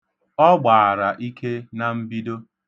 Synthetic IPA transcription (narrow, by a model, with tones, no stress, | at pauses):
ɔ˦ɡ͡baː˨a˨ɾa˨ʔi˦kʰe˦na˨m̩˦bi˦do˦